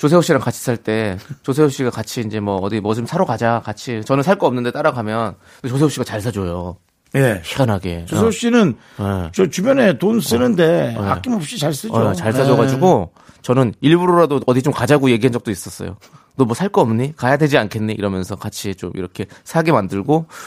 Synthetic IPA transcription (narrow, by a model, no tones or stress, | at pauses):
t͡ɕos̬ʰe̞okɕ͈inɯnkat͡ɕʰi̥sʰaɭt͈e̞t͡ɕos̬ʰe̞oɕ͈iɡakat͡ɕʰiːnd͡ʑe̞mwʌːdimʌd͡ʑomsʰaɾokad͡ʑakat͡ɕʰit͡ɕʌnɯnsʰaɭk͈ʌʌmnɯnde̞t͈aɾaɡamjʌn | et͡ɕos̬ʰe̞oɕ͈iɡat͡ɕaɭs̬ʰad͡ʑojo | jeçiɡanɦaɡḛoeoɕ͈inɯn | et͡ɕʌt͡ɕubjʌne̞tons͈ɯnɯnde̞ea̰k͈imʌp̚ɕ͈it͡ɕaɭs͈ɯt͡ɕaɭsʰad͡ʑʌɡad͡ʑuɡo | t͡ɕʌnɯniɭbuɾoɾadoʌdit͡ɕomkad͡ʑaɡuje̞ɡiɦand͡ʑʌk̚t͈ois͈ʌs͈ʌ̰jo̰ | nomwʌsʰaɭk͈ʌʌmɲikajadwe̞d͡ʑiankʰe̞nːiḭɾʌmjʌnsʰʌkat͡ɕʰit͡ɕomḭɾʌkʰe̞sʰaɡemandɯɭɡo